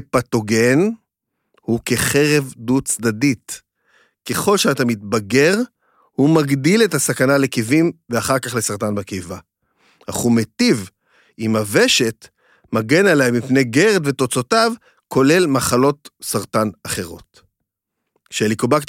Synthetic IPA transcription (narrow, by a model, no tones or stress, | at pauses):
pato̞ɡe̞n | huke̞χe̞ʁe̞vdut͡sd̪adit | ke̞χo̞lʃeat̪amitbaɡe̞ʁ | humaɡdile̞tasakanale̞kivimveaχaʁkaχlesaʁtanbekejva | haχumetiv | imaveʃe̞t | maɡe̞naleamipnejɡe̞ʁd̪ve̞to̞t͡so̞tav | ko̞le̞lmaχalo̞tsaʁtanaχe̞ʁo̞t | ʃelikobak